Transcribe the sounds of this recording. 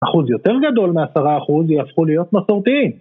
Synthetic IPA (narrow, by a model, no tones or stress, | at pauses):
aχuzjo̞t̪e̞ʁɡad̪o̞lmeasaʁaːχuzjafχulijo̞t̪maso̞ʁt̪iim